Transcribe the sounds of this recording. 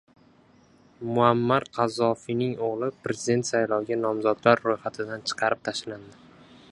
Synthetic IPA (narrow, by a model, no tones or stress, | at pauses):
mʊamːaɾqʰɑzɒfinɪŋoʁlˠɪpɾe̞zɪd̪e̞nt̪sajlɒwɡʲanɒmzɒd̪laɾːojχat̪ʰɪd̪ant͡ʃʰɨ̥qʰɑɾɪp̚t̪ʰaʃland̪ɪ